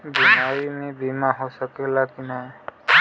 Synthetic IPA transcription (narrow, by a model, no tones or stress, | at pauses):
bimaɹimebimaɦosəkɛlakina